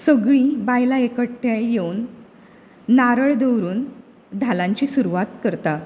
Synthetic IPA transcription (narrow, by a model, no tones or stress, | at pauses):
səɡɭĩbajlaekəɽʈʰjajewn | aɾəɭd̪ewɾuːn | d̪ʱalaɲt͡ɕiːsuɾuʋat̪̚kəɾt̪a